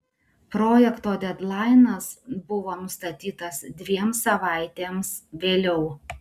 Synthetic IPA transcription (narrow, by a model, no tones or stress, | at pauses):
pɾoːjɛkt̪oːd̪ʲɛd̪lˠɑɪnɐsbʊʋoːnʊst̪ɐt̪ʲiːt̪ɐsd̪ʲʋʲiɛmsɐʋɑˑɪt̪ʲeːmsʋʲeːlʲɛʊ